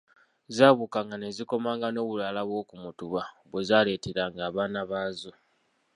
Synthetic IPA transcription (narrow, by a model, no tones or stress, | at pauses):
zaːβukaŋɡane̞ziko̞maːŋɡano̞ːβulalaβwo̞ːkumutuβaβwe̞zaːle̞ːteɾaŋɡaːβaːnaβaːzo̞